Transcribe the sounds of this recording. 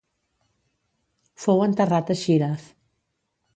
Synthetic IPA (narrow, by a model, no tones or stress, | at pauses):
fowənt̪ərat̪əʃiɾaf